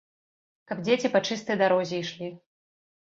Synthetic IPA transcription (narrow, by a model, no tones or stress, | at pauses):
kɐbd͡zʲet͡sʲipat͡ʂɨst̪ɐjd̪aɾɔzʲɛiʂlʲi